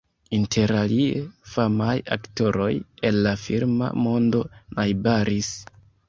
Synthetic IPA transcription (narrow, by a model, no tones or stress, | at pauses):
intʰe̞ɾaliefamaja̰kto̞ɾo̞je̞lːafiɾma̰mo̞ndo̞najbaɾis